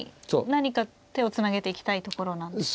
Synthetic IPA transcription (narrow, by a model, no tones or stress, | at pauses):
onaɲ̟ika | t̪e̞o̞t͡sɨnaɡe̞t̪e̞ikʲi̥t̪ait̪o̞ko̞ɾo̞nãns